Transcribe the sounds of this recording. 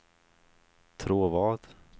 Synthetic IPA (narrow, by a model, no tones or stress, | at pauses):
t̪ʰɾuːvɑːd̪̥